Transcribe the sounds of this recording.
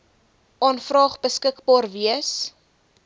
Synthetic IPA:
ʔɑːnfrɑːχbəskəkbɑːrviəs

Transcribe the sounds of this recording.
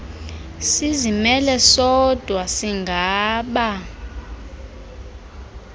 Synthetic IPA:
sizimɛlɛsɔd̥ʱwasiŋɡʱaːɓa

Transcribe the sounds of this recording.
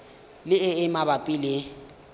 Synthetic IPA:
lɪɪɪmabapʼilɪ

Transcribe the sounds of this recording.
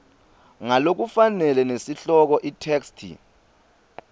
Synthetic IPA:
ŋalok̬ufanɛlɛnesiɬɔk̬ɔʔitʰɛːkstʰḭ

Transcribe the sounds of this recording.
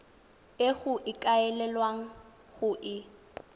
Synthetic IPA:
eɣʊʔɪkʼaɛlɛlwaŋ̩ | ɣʊʔɪ

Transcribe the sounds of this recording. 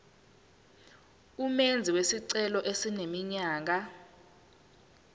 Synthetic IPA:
umend͡zʱiwesiǀɛlɔʔesinemiɲaːk̬a

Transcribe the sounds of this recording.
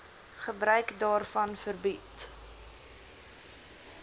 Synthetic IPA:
χəbɾœɥkdɑːrfɐnfərbit

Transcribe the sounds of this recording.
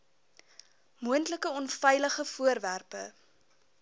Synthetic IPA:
muəntləkəɔnfɛjləχəfuərværpə

